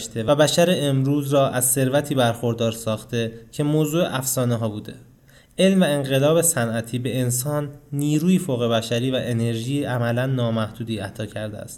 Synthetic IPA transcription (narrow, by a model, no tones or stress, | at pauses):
ʃt̪ʰevbæʃæɾe̞emɾuːzɾɒːʔæzse̞ɾvæt̪ʰiːbæɾxo̞ɾd̪ɒːɾsɒːxt̪e̞cʰe̞moːzuːeʔæfsɒːneɦɒːbuːd̪e̞̰ | ʔe̞lmvæeŋɢe̞lɒːbe̞sænʔæt̪ʰiːbe̞ensɒːnːiːɾuːjifoːɣe̞bæʃæɾiːvæʔe̞ne̞ɾʒiːʔæmælænːɒːmæhd̪̥uːd̪iːæt̪ʰɒːcʰæɾd̪eæ̰st̪